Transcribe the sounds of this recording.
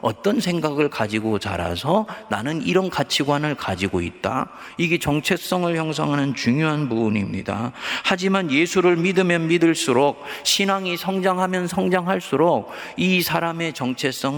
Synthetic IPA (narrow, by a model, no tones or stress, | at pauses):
ʌ̰t͈ʌnsʰe̞ŋɡaɡɯɭkad͡ʑiɡot͡ɕa̰ɾa̰sʰʌna̰nɯniɾʌnkat͡ɕʰiɡwanɯɭkad͡ʑiɡoḭt̚t͈a̰ | iɡe̞t͡ɕʌŋt͡ɕʰe̞s͈ʌŋɯɭçjʌŋs̬ʰaŋɦanɯnt͡ɕuŋjoɦanpuːnimɲida̰had͡ʑimanje̞sʰuɾɯɭmidɯmjʌnmidɯɭs͈uɾok̚ɕʰinaŋisʰʌŋd͡ʑaŋɦamjʌnsʰʌŋd͡ʑaŋɦaɭs͈uɾok̚ | isʰaɾame̞t͡ɕʌŋt͡ɕʰe̞s͈ʌŋ